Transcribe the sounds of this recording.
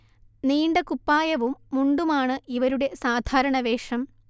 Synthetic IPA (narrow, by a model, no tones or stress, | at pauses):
niːɳɖɐkupːaːjɐʋumːuɳɖumaːɳɨʔiʋɐɾuɽe̞saːd̪ʱaːɾɐɳɐʋeːʂɐm